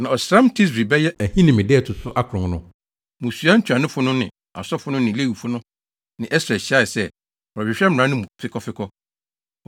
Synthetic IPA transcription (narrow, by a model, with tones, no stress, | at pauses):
nã˨ɔ˨sɾã˦mtʰi˦s̬ɾi˨bɛ˦jɛ˦æ˨hĩ˦nɪ̃˨mɪ̃˨dɪ˦ɛ˦˨tʰʊ˨sʊ˦ʔa˦kʰɾʊ̃˨ŋnʊ̃˦ | mũ˨su˨˦a˦n̩˦t͡ɕʰᶣã˨nʊ̃˦fʊ˦nʊ̃˦nɪ̰̃˨ | a̰˨sɔ˦fʊ˦nʊ̃˦nɪ̃˨le˦˨wi˨fʊ˦nʊ̃˦ | nɪ̃˨ʔɛ˦sɾa˨ɕi˦a˦˨ɪ˨sɛ˦ | ɔ˨ɾɔ˨bɪ˨ɕᶣɛ˦m̩˨ã˨˦nʊ̃˦mũ˨fɪ˦kʰɔ˦fɪ˦kʰɔ˦